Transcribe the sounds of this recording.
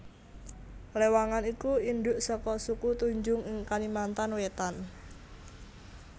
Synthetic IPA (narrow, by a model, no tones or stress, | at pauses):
lewaŋanikuinɖ̪ʊʔsɔkɔsukut̪uɲd͡ʒʊŋɪŋkalimant̪anwet̪an